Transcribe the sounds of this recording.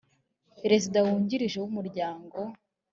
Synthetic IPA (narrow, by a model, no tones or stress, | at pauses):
peɾe̞zidawuːɲɟiɾiʒewumuɾɟaːŋɡo̞